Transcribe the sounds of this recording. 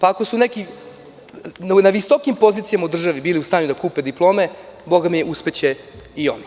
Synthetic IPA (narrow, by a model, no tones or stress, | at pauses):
paako̞suneki | naʋiso̞kimpo̞zit̪sijamaud̪r̩ʒaʋibiːliust̪aːɲud̪akuːpe̞d̪iplˠo̞ːme̞bo̞ɡamieʔuspet͡ɕe | io̞̰ni